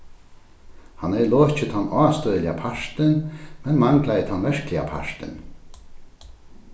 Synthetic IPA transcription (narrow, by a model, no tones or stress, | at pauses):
hanɛjloːt͡ɕɪt̪ʰanːaːst̪œðlɪapʰaʂt̪ɪnmɛnmaŋklajət̪ʰanvɛʂklɪa̰pʰa̰ʂt̪ɪ̰n